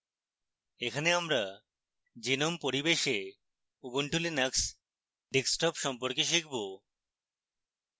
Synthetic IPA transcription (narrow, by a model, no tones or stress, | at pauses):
ekʰaneamɾa | d͡ʑinompoɾibeʃe | uboɳʈʰulinaks | ɖeksʈɔpʃɔmpoɾkeʃ̬ikʰbo